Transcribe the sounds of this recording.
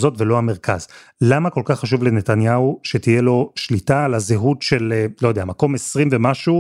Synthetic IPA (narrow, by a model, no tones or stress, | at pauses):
zo̞tvelo̞ameʁka̰z | lamako̞lkaχːaʃ̬uvlene̞t̪anjauʃet̪ije̞lo̞ʃlitalazeɦutʃe̞lelo̞jodeamako̞mesʁimvemaʃu